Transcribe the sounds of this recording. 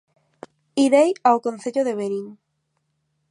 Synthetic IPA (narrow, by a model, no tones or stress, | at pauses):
iɾejawkõn̟θeʎoðeβeɾiŋ